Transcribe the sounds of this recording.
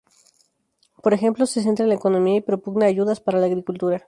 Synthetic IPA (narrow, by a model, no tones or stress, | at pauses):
po̞ɾexe̞mplo̞se̞s̬e̞nt̪ɾalaeko̞no̞miaipɾo̞puɣnaːʝuðaspaɾalaːɣɾikult̪uɾa